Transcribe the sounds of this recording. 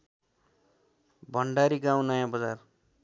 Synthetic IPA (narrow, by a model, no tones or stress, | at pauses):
bʱʌɳɖaɾiɡãw̃nʌjãbʌd͡zar